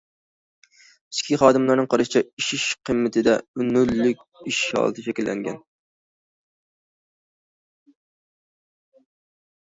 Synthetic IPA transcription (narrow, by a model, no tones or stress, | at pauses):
ɪ̥skʲʰiχɑːd̪ɨmlˠɑɾnɨŋqʰɑɾɨʃɪt͡ʃʰɛiʃiʃqʰəmːɪt̪ʰɪd̪ɛynʊlːykʲiʃɑ̰ːlˠɨt̪ʰɨʃʰɛkʲilːʔɛ̰ŋɡʲɛ̰n